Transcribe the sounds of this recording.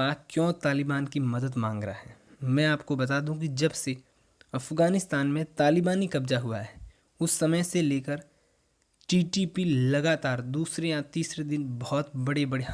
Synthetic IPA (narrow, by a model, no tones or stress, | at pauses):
aːkjɔ̃ːt̪aːlɪbaːnkimɐd̪əd̪mãːŋɡɾəaɦɛː | mɛ̃ːaːpkobɐt̪aːd̪ũk̬id͡ʒɐbse | ɐfɡaːnɪst̪aːnmẽt̪aːlɪbaːnikɐbd͡ʒaɦʊa̰ɦɛː | ʊsːɐməjseleːkəɾ | ʈiːʈipilɐɡaːt̪aːɾd̪uːsɾejãt̪iːsɾed̪ɪnbɔɔt̪bɐɽebɐɽe